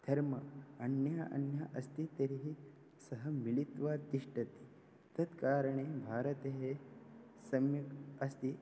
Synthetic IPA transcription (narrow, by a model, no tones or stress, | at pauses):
d̪̥ʱɐɾmɐɐnjaːʔɐ̰njaʔɐst̪it̪ɐɾiɦi | sɐɦɐmilit̪ʋaːt̪iʂʈɐt̪i̥ | t̪ɐd̪kaːɾɐɳ̃eːbʱaːɾɐt̪eɦe | sɐmjɐɐst̪i